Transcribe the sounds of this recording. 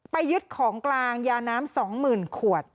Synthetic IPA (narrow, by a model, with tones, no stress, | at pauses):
pa˧jːɯ˦˥t̪̚kʰɔː˩˦ŋklaː˧ŋjaː˧naː˦˥msɔː˩˦ŋmɯː˨˩nkʰu˨˩ət̪̚